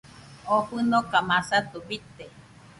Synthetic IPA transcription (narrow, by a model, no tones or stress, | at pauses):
oɸɨnokamasat̪ubit̪e